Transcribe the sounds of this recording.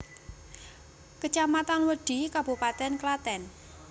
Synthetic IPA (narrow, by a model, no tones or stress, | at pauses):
kət͡ʃamat̪anwəɖ̥i̤kab̥ṳpat̪ɛnklat̪ɛn